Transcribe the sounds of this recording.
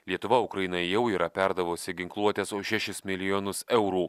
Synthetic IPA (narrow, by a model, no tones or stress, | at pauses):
lʲiɛt̪ʊʋɐʊkɾɐjɪnɐjjɛʊiːɾɐpʲæɾd̪ɐʋosʲɪɡʲɪŋklˠuɔt̪ʲeːsoːʃʲæʃʲɪsmʲɪlʲɪjonʊsɛʊɾuː